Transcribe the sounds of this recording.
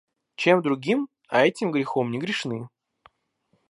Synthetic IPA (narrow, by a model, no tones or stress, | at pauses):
t͡ɕe̞md̪ɾʊɡʲim | ɐɛtʲɪmɡɾʲɪxo̞mnʲɪɡɾʲɪʂnɨ